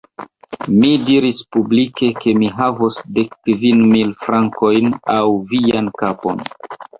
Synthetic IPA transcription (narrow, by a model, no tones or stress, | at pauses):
midiɾispublike̞ke̞miɦavosde̞kːvinmilfɾaŋko̞jnawviankapo̞̰n